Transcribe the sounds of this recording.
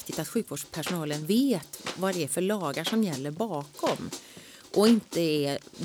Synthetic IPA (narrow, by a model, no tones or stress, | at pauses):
kt̪ɪt̪at̪ɧʉ̟ːkvoːɖʂpʰæʂʊnɑːlənveːt̪vad̪ɛæɾfœɭɑːɡaʂɔmjɛlːəɾbɑːkʰɔm | ʔɔɪnt̪əɛɾ